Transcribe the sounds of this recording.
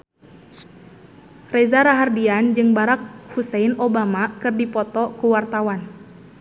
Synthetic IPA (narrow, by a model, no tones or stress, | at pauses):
rɛzaɾaɦardiand͡ʒɨŋbaɾak̚husɛinobamakɨrdipɔt̪ɔkuwart̪awan